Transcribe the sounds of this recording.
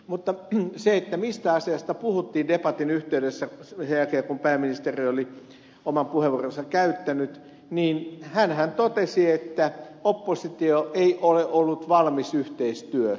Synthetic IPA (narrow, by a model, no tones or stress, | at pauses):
mut̪ːɑseet̪ːæmist̪æɑsiɑst̪ɑpuhut̪ːiːndepɑt̪inyht̪eydesːæssejækeːkumpæːmːinist̪erioli | omɑmpuheʋurensɑkæyt̪ːænyt̪ | niːnhænhænt̪ot̪esiet̪ːæopːosit̪ioʔeiʔoleʔolːut̪ʋɑlmisyht̪eist̪yø